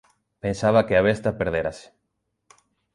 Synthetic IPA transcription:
pensaβɐkɪaβ̞est̪ɐpeɾðeɾase̥

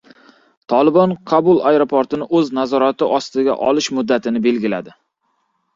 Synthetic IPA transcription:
t̪ʰɒlˠɪbɒnqʰɑbʊlˠajɾopʰoɾt̪ɪnɪʔɵznazɒɾat̪ɪʔɒst̪ɪɡʲa̰ʔɒlɪʃmʊd̪ːat̪ʰɪnɪbe̞lɡʲɪlad̪ɪ

